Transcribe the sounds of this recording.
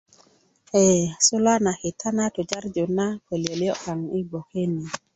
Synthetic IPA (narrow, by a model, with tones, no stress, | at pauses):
e˨so˦la˦na˨ki˨tʰa˦na˦to˨d͡ʒa˦ɾd͡ʒo˨na˦ke˨lje˨ljo˦ka˨ŋi˦bo˨ke˦ni˨